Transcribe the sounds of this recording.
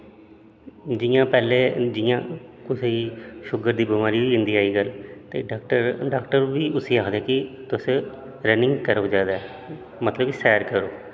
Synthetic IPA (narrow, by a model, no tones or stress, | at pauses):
d͡ʒɪːjãːpɛːleːd͡ʒɪjã̰ːkʊseiːʃʊɡəɾd̪iːbɪmaːɾiːʋiːɪ̃nd̪iːaːiːɡəlt̪eːʈəɾɖaːkʈəɾʋiːʊsiːaːkʰd̪ɛːkɪt̪ʊs | ɾənɪ̃ŋɡkəɾoːd͡ʒaːd̪aːɛ | mət̪ləbisɛːɾkəɾoː